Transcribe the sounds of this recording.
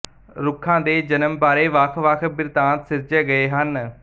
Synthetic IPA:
ɾʊkʰːãːd̪eːd͡ʒənəmbaːɾeːʋəkʰʋəkʰbɪɾt̪ãːt̪sɪɾd͡ʒeːɡəeːɦən

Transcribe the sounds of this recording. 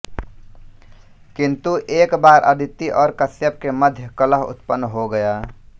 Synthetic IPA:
kɪ̃nt̪uʔeːkbaːɾʔə̰d̪ʱɪt̪ːiʔɔːɾkəsjəp̚keməd̪ʱjəkələɦʊ̰t̪pənːɦoɡəjaː

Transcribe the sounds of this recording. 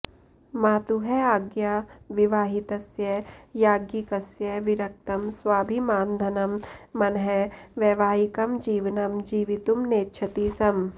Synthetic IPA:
maːt̪uɦɛaːɡjaːʋɪʋaːɦit̪ɐsjɐjaːɡjikɐsjɐʋɪɾɐk̚t̪ɐmswaːbʱimaːnd̪ʱɐnɐmːɐnɦɛʋeːʋaːɦikɐmd͡ʒiːʋnɐmd͡ʒiːʋit̪umneːtːʃʰɐt̪iːsɐm

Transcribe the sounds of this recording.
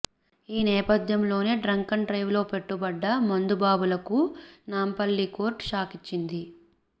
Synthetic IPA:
iːnɛːpɐd̪ʱjɐmlo̞ːneːɖɾɐŋkɐɳɖɾɐjʋlo̞ːpe̞ʈːubɐɖːɐmɐnd̪ubaːbulɐkunaːmpɐlːiko̞ːɾʈʃaːkit͡ʃːind̪i

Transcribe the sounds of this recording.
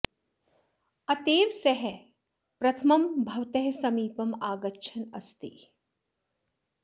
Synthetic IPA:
ɐt̪eːʋsɐɦɛ | pɾɐt̪ʰɐmɐmbʱɐʋt̪ɐɦsɐmiːpɐmaːɡɐtːʃʰɐnɐst̪ḭ

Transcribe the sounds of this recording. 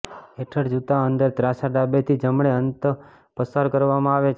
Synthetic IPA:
eʈʰəɽd͡ʒut̪aənd̪əɾt̪ɾasaɖabet̪ʰid͡ʒəmɳeənt̪ə | pəsaɾkəɾʋamãaʋet͡ʃʰ

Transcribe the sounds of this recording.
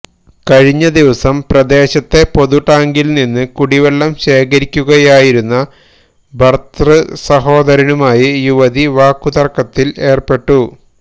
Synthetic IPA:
kɐɻiɲːɐd̪iʋɐsɐmprɐd̪e̞ːɕɐt̪ːe̞po̞ðuʈːaːŋɡilninːɨkuɽiʋeɭːɐmɕe̞ːkɐɾikʲːuɣɐjaːjiɾunːɐ | bʱɐrt̪rɐsɐɦo̞ːd̪ɐɾɐnumaːjijuʋɐðiʋaːkːud̪ɐrkːɐt̪ːile̞ːrpe̞ʈːu

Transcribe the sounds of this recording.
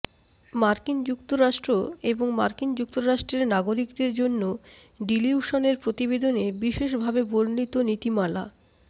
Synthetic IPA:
maɾkind͡ʑukt̪oɾaʃʈɾoeboŋma̰ɾkind͡ʑuk̚t̪oɾaʃʈɾeɾnaɡoɾikd̪eɾd͡ʑonːo | ɖiliuʃoneɾpɾot̪ibed̪onebiʃeʃ̬bʱabeboɾnit̪onit̪imala̰

